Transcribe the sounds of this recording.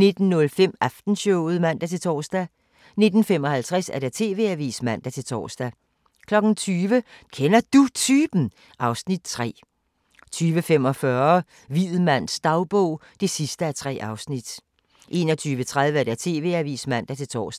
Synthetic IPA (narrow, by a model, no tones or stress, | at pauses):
ne̝d̥n̩ːɔ̽lfem̰æfd̥n̩ɕɔʊð̞̩ˠmæn̰d̥æt͡sʰe̝lt͡sʰɒ̰ːsd̥æ | ne̝d̥n̩fem̰ɒ̽hælt͡sʰʁasæɐɾ̥æɐt͡sʰe̝ːʋe̝æʋḭːsmæn̰d̥æt͡sʰe̝lt͡sʰɒ̰ːsd̥æ | kʰlɒ̽ɡ̥n̩t͡sʰyːʋəkʰenɐd̥ut͡sʰyːb̥n̩ | ʔɑ̈ʊsnid̥t͡sʰʁɛ̰ː | t͡sʰyːʋəfem̰ɒ̽fɶɐ | ʋið̩ˠmæn̰sd̥ɑ̈ʊb̥ɔʊ̰d̥e̝sisd̥əæɐt͡sʰʁɛ̰ːʔɑ̈ʊsnid̥ | ʔe̝̰ːnɒt͡sʰyːʋət͡sʰʁað̞ˠʋəæɐd̥æt͡sʰe̝ːʋe̝̰æʋḭːsmæn̰d̥æt͡sʰe̝lt͡sʰɒ̰ːsd̥